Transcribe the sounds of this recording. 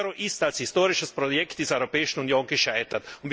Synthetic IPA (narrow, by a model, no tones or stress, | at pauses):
ɾoʔɪstalshɪstoːʁɪʃəspʁ̥ojɛkt̚d̥iːzəɐɔʏʁopɛːɪʃn̩unjoːnɡəʃaɪtɐtʊntv